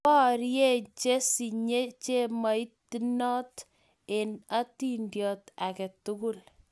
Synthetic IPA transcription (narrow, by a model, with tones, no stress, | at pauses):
pɔ˦ɾje˦t͡ʃe˦si˨ɲe˦t͡ʃe˦ma˨˦i˦ti˦nɔ˦t | e˨na˦ti˦ndjɔ˨ta˨kɛ˨tʊ˦kʊ˦l